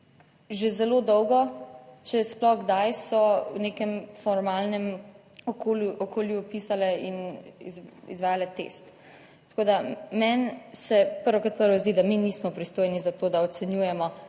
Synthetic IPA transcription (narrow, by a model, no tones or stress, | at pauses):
ʒezɛlod̪ɔwɡɔt͡ʃɛsplɔxɡd̪ajsɔwneːkɛmfɔɾmaːlnɛm | ɔkoɔkoːljupisalɛinḭzḭzʋaːjalɛt̪ḛːst̪ː | ḁkoːd̪amɛnsɛpəɾʋoɔkat̪̚pəɾʋɔzd̪id̪aminiːsmɔpɾist̪oːjnizat̪oːd̪aɔt̪sɛnjuːjɛmɔ